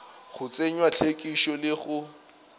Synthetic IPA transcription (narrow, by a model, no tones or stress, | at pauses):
ɣʊt͡sʼeɲwat͡ɬʰekʼiʃɔlɪɣʊ